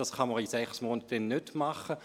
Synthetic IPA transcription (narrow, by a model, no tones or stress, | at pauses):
ɑsχɑməʁisɛχsmoːnət̚d̥ɛnːødmɑχə